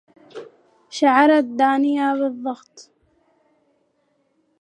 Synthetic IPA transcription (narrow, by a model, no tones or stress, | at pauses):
ʃaʕɑɾˤad̪ːaːnɪjaβɨðˤːɑɣt̪ˤ